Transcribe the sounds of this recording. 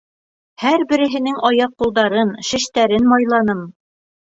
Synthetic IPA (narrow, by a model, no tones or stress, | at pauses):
hæɾbɘ̆ɾɘ̆ɦɘ̆nɘŋɑjɑqːulˠd̪ɑɾɤnʃɘ̆ʃt̪æɾɘnmɑjlˠɑnɤm